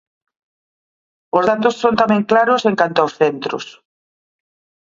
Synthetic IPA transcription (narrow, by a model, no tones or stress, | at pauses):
ozðat̪ʊsːõnt̪amẽŋklaɾʊseŋkant̪ʊawsθent̪ɾʊ̰s